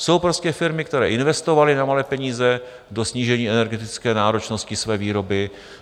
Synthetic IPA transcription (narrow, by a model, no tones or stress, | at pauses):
so̞wpɾo̞scɛfɪɾmɪk̚t̪ɛɾɛ̰ːʔɪnvɛst̪o̞valɪnamalɛːpɛɲiːzɛ | do̞sɲiːʒɛɲiːɛnɛɾɡɛt̪ɪt͡skɛːnaːɾo̞t͡ʃno̞scɪsvɛːviːɾo̞bɪ